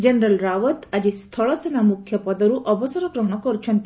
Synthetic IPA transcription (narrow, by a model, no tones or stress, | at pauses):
d͡ʒenɾalɾawɔt̪ad͡ʒist̪ʰɔɭɔsenamukʰjɔpɔd̪ɔɾuʔɔbɔsɔɾɔɡɾɔɦɔɽ̃ɔkɔɾut͡ʃʰɔnt̪i